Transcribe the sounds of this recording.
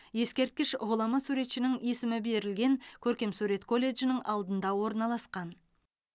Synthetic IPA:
je̞skʲe̞ɾt̪̚kʲɪʃʁʊlˠɑmɑsuɾe̞t̪ʃɪnɪŋe̞sɪmɪbe̞ɾɪlɡʲe̞ŋkʲʰɵɾkʲe̞msuɾe̞t̪kʰo̞lʲːe̞ʒɪnɪŋʔɑlˠd̪ənd̪ɑwo̞ɾnɑlˠɑsqɑn

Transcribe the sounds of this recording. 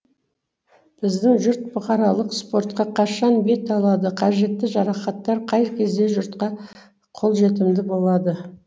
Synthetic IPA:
b̥ɪzd̪ɪŋʒʊɾt̪̚bʊqɑɾɑlˠəqspo̞ɾt̪qɑqʰɑʃɑnbe̞t̪ɑlˠɑd̪əqʰɑʒe̞t̪ːɪʒɑɾɑχɑt̪ːɑɾqʰɑjkʲʰe̞zd̪e̞ʒʊɾt̪qɑ | qʰo̞lˠʒe̞t̪ɪmd̪ɪbo̞lˠɑd̪ə

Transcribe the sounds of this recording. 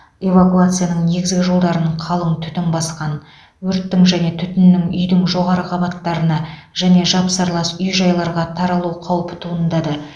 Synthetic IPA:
e̞vakuat̪sɨjanəɴne̞ɡʲɪzɡʲɪʒo̞lˠd̪ɑɾəɴqʰɑlˠəɴt̪ʰʏ̥t̪ɪnbɑsqɑn | wɵɾt̪ːɪŋʒæne̞t̪ʰʏt̪ɪnːɪŋʏ̰jd̪ɪŋʒo̞ʁɑɾəqʰɑbɑt̪ːɑɾənɑʒæne̞ʒɑpsɑɾlˠɑsʏjʒɑjlˠɑɾʁɑt̪ʰɑɾɑlˠuqʰɑwəpə̥t̪ʰuənd̪ɑd̪ə

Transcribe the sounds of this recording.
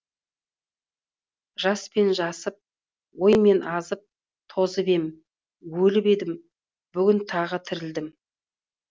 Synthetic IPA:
ʒ̥ɑspe̞nʒɑsəp̚ | wo̞jme̞nʔɑzəp̚ | t̪ʰo̞zəbe̞m | wɵlɪpe̞d̪ɪm | b̥ʏɡʲɪnt̪ʰɑʁət̪ʰɪɾɪld̪ɪm

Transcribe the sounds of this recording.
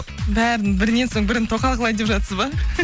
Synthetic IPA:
bæɾɪnbɪɾɪnːe̞nso̞ɴbɪɾɪnt̪ʰo̞qɑlˠqəlˠɑjd̪epʒɑt̪səzbɑ

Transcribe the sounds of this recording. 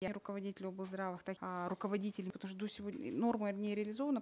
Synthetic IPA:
jɾʊkəvɐdʲitʲɪlʲobɨlˠzd̪ɾavɨxt̪aɾʊkəvɐdʲitʲɪlʲɪpət̪ɐmuʂ̬t̪od̪osʲɪvono̞rmɨnʲɪɾʲɪəlʲɪzo̞vənə

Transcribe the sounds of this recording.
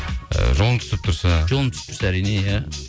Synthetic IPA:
ʒolˠt̪ʰy̥t̪ɪp̚t̪ʰʊɾsaʒolˠəmpt̪ʰsɪ̥pt̪ʰʊɾsaæɾinejæ

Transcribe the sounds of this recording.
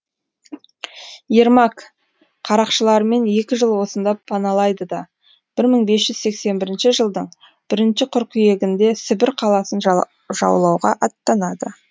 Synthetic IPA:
jeɾmɑk | qʰɑɾɑqʃəlˠɑɾəme̞nje̞kʲɪʒəlˠwo̞sənd̪ɑpʰːɑnɑlˠɑjd̪əd̪ɑ | b̥ɪɾməɴbe̞sʒ̥ʏzse̞kse̞nbɪɾɪnʃɪʒəlˠd̪əɴ | b̥ɪɾɪnʃɪqʰʊɾkʲʰʏje̞ɡʲɪnd̪e̞sɪbɪɾqʰɑlˠɑsən | ʒɑ̰wlˠɑwʁɑʔɑt̪ːɑnɑd̪ə

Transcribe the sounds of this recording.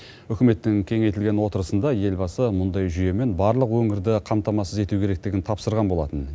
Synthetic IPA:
ʏkʲɪme̞t̪ːɪŋkʲʰe̞ŋe̞jt̪ɪlɡʲe̞nwo̞t̪əɾəsənd̪ɑje̞lbɑsəmʊnd̪ɑjʒʏje̞me̞nbɑɾlˠəqwɵŋɪɾd̪ɪqʰɑmt̪ɑmɑsəze̞t̪ukʲʰe̞ɾe̞k̚t̪ɪɡʲɪnt̪ʰɑpsəɾʁɑnbo̞lˠɑ̰t̪ən

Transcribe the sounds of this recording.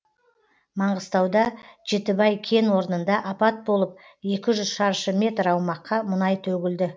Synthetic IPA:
mɑɴʁəst̪ɑwd̪ɑʒe̞t̪ɪbɑjkʲʰe̞nwo̞ɾnənd̪ɑʔɑpɑt̪̚bo̞lˠəp̚e̞kʲɪʒʏzʃɑɾʃəmʲe̞t̪ɾɑwmɑqːɑmʊnɑjt̪ʰɵɡʲɪld̪ɪ

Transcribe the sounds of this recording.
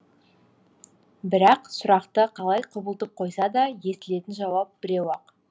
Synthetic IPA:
bɪɾɑqsʊɾɑqt̪əqʰɑlˠɑjqʰʊbəlˠt̪əp̚qʰo̞jsɑd̪ɑje̞st̪ɪle̞t̪ɪnʒɑwɑp̚bɪɾewɑq

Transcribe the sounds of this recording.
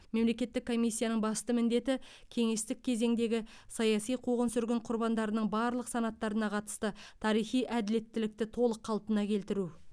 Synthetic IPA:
me̞mle̞kʲe̞t̪ːɪkʰːo̞mijsːijanəɴbɑst̪əmɪnd̪e̞t̪ɪkʲʰe̞ŋe̞st̪ɪk̚ʲʰːe̞ze̞ŋd̪e̞ɡʲɪ | sɑjɑsijqʰuʁənsʏɾɡʲɪɴqʰʊɾbɑnd̪ɑɾənəɴbɑɾlˠəqsɑnɑt̪ːɑɾənɑqʰɑt̪ə̥st̪ət̪ʰɑɾijχijʔæd̪ɪle̞t̪ːɪlɪk̚t̪ɪt̪ʰo̞lˠəqʰːɑlˠp̪ənɑkʲʰe̞lt̪ɪɾu

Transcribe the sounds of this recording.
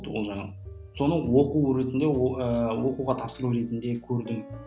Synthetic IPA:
d̪əolˠʒɑɴɑ̰ | so̞nəwoquɾe̞t̪ɪnd̪e̞əwo̞quʁɑt̪ʰɑpsəɾˠuɾe̞t̪ɪnd̪e̞kʲʰɵɾd̪ɪŋ

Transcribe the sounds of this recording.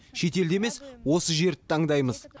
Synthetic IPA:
ʃe̞t̪e̞ld̪e̞me̞swo̞səʒe̞ɾɪt̪ʰɑɴd̪ɑjməz

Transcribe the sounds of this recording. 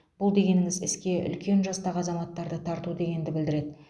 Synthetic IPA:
b̥ʊlˠd̪e̞ɡʲe̞nɪŋɪzɪskʲe̞ʔʏ̰lkʲe̞nʒɑst̪ɑʁɑzɑmɑt̪ːɑɾd̪ət̪ʰɑɾt̪ud̪e̞ɡʲe̞nd̪ɪbɪld̪ɪɾe̞d̪ɪ

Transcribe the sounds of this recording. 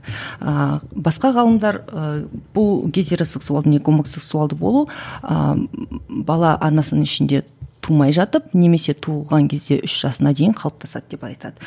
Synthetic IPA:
əbɑsqɑʁɑlˠəmd̪ɑɾəb̥ʊlˠɡʲezʲe̞ɾo̞se̞ksualˠd̪əne̞kʰo̞mo̞kse̞ksualˠd̪əbo̞̰lˠuə̰ | bɑlˠɑʔɑɾnɑsənəŋɪʃɪnd̪e̞t̪ʰumɑjʒɑt̪əp̚ne̞me̞se̞t̪ʰulˠʁɑŋkʲʰe̞zd̪e̞̰ʔʏʃʒ̥ɑsənɑd̪e̞jɪɴqʰɑlˠəp̚t̪ʰɑsɑ̰d̪əd̪e̞pɑjt̪ɑ̰d̪̥ə

